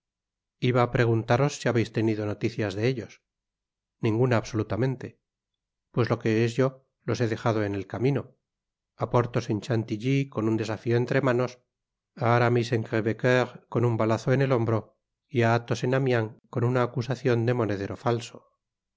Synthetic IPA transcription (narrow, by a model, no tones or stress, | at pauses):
iβaːpɾe̞ɣ̞unt̪aɾo̞sːiaβe̞jst̪e̞niðo̞no̞t̪iθjazðe̞eʎo̞s | nĩŋɡunaːβso̞lut̪amẽ̞nt̪e̞ | pwe̞zlo̞ke̞ezʝo̞ | lo̞se̞ðe̞xað̞oe̞ne̞lkamĩno̞ | apo̞ɾt̪ose̞nt͡ʃant̪iʎiko̞nund̪e̞safioe̞nt̪ɾe̞mano̞s | aɾamise̞ŋkeβekeʁko̞numbalaθo̞ene̞lo̞mbɾo̞ | iaat̪o̞se̞namjaŋko̞nunaːkusaθjo̞nd̪e̞mo̞ne̞ð̞e̞ɾo̞falso̞̥